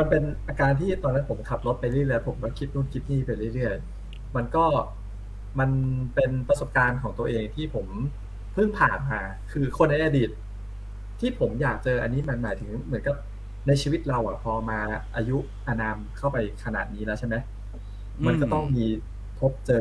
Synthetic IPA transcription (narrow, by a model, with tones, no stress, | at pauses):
ma˧npe˧nʔaː˧kaː˧nt̪ʰiː˥˩t̪ɔː˧nːa˦˥npʰo˩˦mkʰa˨˩p̚lo˦˥t̪̚pa˧jɾɯ˥˩jɾɯ˥˩pʰo˩˦mkɔː˥˩kʰi˦˥t̪̚nuː˥˩nkʰi˦˥t̪̚niː˥˩pa˧jɾɯ˥˩jɾɯ˥˩əj | ma˧nkɔː˥˩ | ma˧npe˧npɾa˧so˨˩p̚kaː˧nkʰɔː˩˦ŋt̪u˧ɐʔeː˧ŋt̪ʰiː˥˩pʰo˩˦m | pʰɯ˥˩ŋpʰaː˨˩nmaː˧ | kʰɯː˧kʰo˧nːa˧jʔa˧diː˨˩t̪̚ʰː | iː˥˩pʰo˩˦mjaː˨˩k̚t͡ɕɤː˧ʔa˧nːiː˦˥ma˧nmaː˩˦jt̪ʰɯ˩˦ŋmɯ˩˦ənka˨˩p̚ | na˧jt͡ɕʰiː˧wi˦˥t̪̚ɾa˧wʔa̰˨˩pʰɔː˧maː˧˩ʔaː˧ju˦˥ʔ | ʔa˧naː˧mkʰa˥˩wpa˧jkʰa˧na̰˨˩niː˦˥lɛː˦˥wt͡ɕʰe˥˩ma˦˥j | ma˧nkkɔː˥˩t̪ɔ˥˩ŋmiː˧ | t̪ʰo˦˥p̚t͡ɕɤː˧